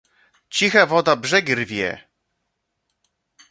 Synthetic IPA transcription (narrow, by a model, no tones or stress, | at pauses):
t͡ɕixavɔd̪abʐɛɡʲirvʲjɛ̰